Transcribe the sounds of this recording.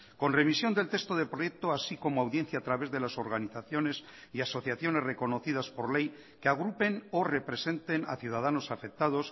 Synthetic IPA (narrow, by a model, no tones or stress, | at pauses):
ko̞nre̞misjo̞nd̪e̞lt̪e̞st̪oð̞epɾo̞je̞k̚t̪oasiko̞moawðje̞n̟θjaːt̪ɾaβe̞zðe̞laso̞ɾɣaniθaθjo̞ne̞s | iaso̞θjaθjo̞ne̞zre̞ko̞no̞θið̞aspo̞ɾle̞j | keaɣ̞ɾupe̞no̞re̞pɾe̞se̞nt̪e̞na̰θjuðaðano̞safe̞k̚t̪að̞o̞s